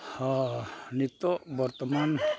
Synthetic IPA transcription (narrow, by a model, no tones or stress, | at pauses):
hɔnit̪oʔbɔrt̪əman